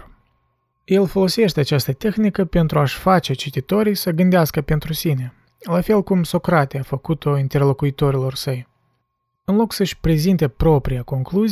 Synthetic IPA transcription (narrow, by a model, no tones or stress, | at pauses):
je̞lfo̞lo̞se̞ʃt̪e̞at͡ʃast̪ət̪e̞xnikəpe̞nt̪ɾuaʃʲfat͡ʃe̞t͡ʃit̪it̪o̞ɾijsəɡɨnd̪easkəpe̞nt̪ɾusine̞ | lafe̞lkumso̞kɾat̪eafəkut̪o̞int̪e̞rlokuit̪o̞ɾilo̞rsəj | ɨnlo̞ksəʃʲpɾe̞zint̪e̞pɾo̞pɾijako̞ŋkluz